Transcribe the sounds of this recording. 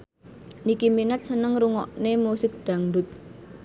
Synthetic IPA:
nikiminət̪̚sənəŋɾuŋɔʔnemusɪk̚ɖ̪̥ä̤ŋɖʊt̪̚

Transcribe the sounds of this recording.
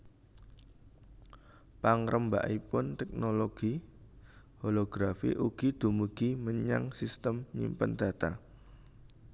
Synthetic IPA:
paŋɾʔəmba̰ʔipʊnt̪ɛk̚noloɡ̥i | holoɡ̥ɾafḭʔuɡ̥id̪̥ṳmuɡ̥iməɲa̰ŋsist̪əmɲḭmpənd̪̥a̤t̪a̰

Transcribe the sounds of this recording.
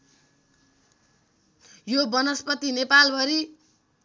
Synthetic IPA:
jobʌnʌspʌt̪inepalbʱʌɾi

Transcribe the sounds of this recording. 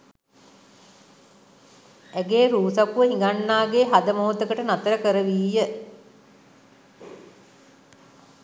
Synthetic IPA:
æɡeːɾuːsapuʋəɦiŋɡanːaːɡeɦad̪əmoɦot̪əkəʈənat̪əɾəkəɾəʋiːjə

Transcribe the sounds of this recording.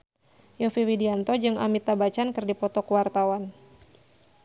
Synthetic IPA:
jɔfiwidiant̪ɔd͡ʒɨŋa̰mit̪abat͡ʃankɨrdipɔt̪ɔkuwart̪awan

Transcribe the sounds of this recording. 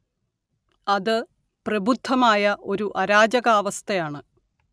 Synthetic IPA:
ɐðɨ | prɐbʱud̪ʱːɐmaːjɐʔo̞ɾuʔɐɾaːd͡ʑɐɣaːʋɐst̪ʰɐjaːɳɨ

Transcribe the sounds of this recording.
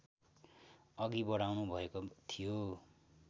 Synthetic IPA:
ʌɡibʌɽawnubʱʌekot̪ʰijo

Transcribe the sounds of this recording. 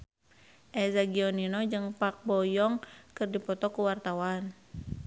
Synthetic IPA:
ʔɛzaɡiɔninɔd͡ʒɨŋpak̚bɔjɔŋkɨrdipɔt̪ɔkuwart̪awan

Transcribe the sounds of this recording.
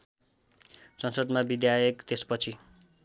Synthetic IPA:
sʌnsʌd̪mabid̪jajekt̪espʌt͡sʰi

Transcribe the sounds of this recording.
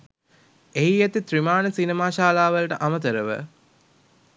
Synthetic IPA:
eiet̪it̪rimaːnəsinemaːʃaːlaːʋɐlʈəʔamɐt̪̬əɾəʋə̰

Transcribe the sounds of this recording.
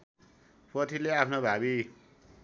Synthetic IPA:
pʌt̪ʰileapʰnobʱabi

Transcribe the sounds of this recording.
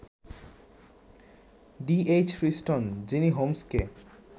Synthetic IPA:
ɖiet͡ɕfɾisʈond͡ʑiniɦomske

